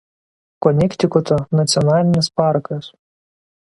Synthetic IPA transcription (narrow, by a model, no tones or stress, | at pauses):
kɔnʲɛkʲt̪ʲɪkɔt̪ɔnɐt̪sʲɔnɑːlʲɪnʲɪspɑˑɾkɐs